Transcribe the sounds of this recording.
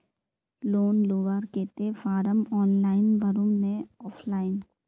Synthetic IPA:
loːnloːʋaɾkeːt̪efʰaːɾəmɔːnlaːɪnʋəɾʊmnẽɔːfʰlaːɪn

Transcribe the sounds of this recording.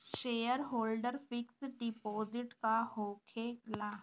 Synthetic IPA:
ʃejəɾɦoːlɖəɾfiksɖipoziʈkahokʰela

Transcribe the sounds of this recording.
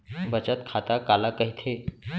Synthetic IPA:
bʱət͡ɕət̪kʰat̪akalakəɦit̪ʰe

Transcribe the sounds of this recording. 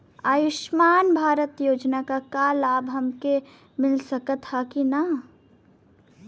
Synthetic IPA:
aːjʊʃmaːnbʱaːɾət̪joːd͡ʒnakakaːlaːbʱɦɐmke | mɪlsɐkət̪hakina

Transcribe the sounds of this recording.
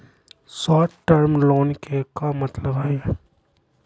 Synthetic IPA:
sɔːʈəɾmlɔːnkekamɐt̪ləbajɛ

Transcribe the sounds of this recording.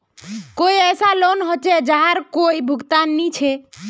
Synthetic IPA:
koiɛːsalonɦot͡ʃed͡ʒaɦaɾkoibʱʊɡt̪anːit͡ʃʰe

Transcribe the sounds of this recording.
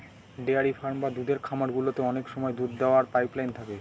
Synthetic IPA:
ɖeaɾifʰaɾmbad̪ud̪ʱeɾkʰamaɾɡulot̪eɔnekʃɔmɔed̪ud̪d̪eoaɾpajplajnt̪ʰake

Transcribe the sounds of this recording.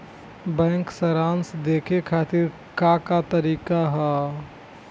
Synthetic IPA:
bɛ̃ːŋksəɾaːnsd̪eːkʰekʰaːt̪ɪɾ | kakat̪əɾiːkaɦɛː

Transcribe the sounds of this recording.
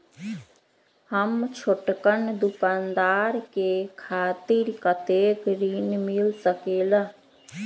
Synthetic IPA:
həmt͡ʃʰʊʈkənd̪ʊkaːnd̪aːɾkekʰaːt̪ɪɾkət̪eːɡɾiːnmɪlsəkeːla

